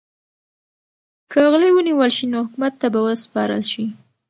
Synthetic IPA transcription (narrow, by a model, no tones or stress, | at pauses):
kəɣlewəniwəlʃinohʊkumat̪ːabawəspɑɾə̰lʃi